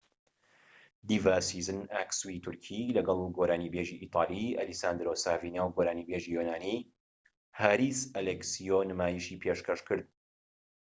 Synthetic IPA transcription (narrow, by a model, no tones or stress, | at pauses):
d̪ivaːsizɨnaːkswit̪ʰʊɾkʰilɐɡɐlˠɡoɾaːnibeʒiʔiːt̪ˤʰɑːlˠiɐ̰lisaːnd̪ɾoːsaːvinaːwɡoːɾaːnibeʒijonaːni | haːɾiːsɐlɛksionɨmaːjiʃipʰeːʃkɐʃkɨɾd̪̚